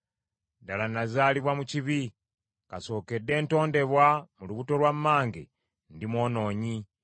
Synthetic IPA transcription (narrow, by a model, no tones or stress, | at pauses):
dalanazaːliβwamuciβi | kaso̞ːke̞dːe̞ːnto̞ːnde̞βwamuluβuto̞lwamːaːŋɡḛ | ndimwo̞ːno̞ːɲi